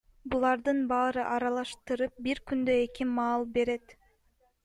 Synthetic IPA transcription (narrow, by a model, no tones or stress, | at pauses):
bulˠɑɾd̪ɯnbɑːɾɯʔɑɾɑlˠɑʃt̪ɯɾɯp̚biɾkynd̪øe̞kimɑːlˠbe̞ɾe̞t̪